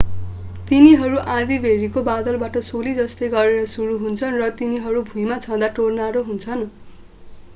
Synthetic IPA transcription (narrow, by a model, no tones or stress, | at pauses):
t̪iniɦʌɾuʔãd̪ibʱeɾikobad̪ʌlbaʈʌsolid͡zʌst̪ʌjɡʌɾeɾʌsuɾuɦunt͡sʰʌnrʌt̪iniɦʌɾubʱujmat͡sʰʌ̃d̪aʈornaɾoɦunt͡sʰʌn